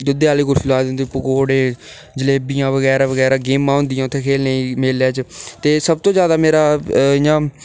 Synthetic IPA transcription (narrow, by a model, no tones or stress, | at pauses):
d͡ʒʊd̪eːaːleːkʊlfɪlaːd̪ɪnd̪iːpəkoːɽeː | d͡ʒəleːbijãːʋəɣɛːɾaːʋəɣɛːɾaːɡeːmːãːɦʊ̃nd̪ɪjãːʊt̪ʰːeːkʰeːlneĩːmeːlaːt͡ʃt̪eːsəb̚t̪oːzjaːd̪aːmeːɾaːɪjãː